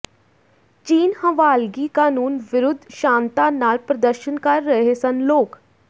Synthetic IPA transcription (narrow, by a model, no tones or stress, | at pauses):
t͡ʃiːnhə̃ʋaːlɡikaːnuːnʋɪɾʊd̪ʱːʃãːnt̪anaːlpɾɐd̪əɾʃənkɐɾːəɦesɐnloːk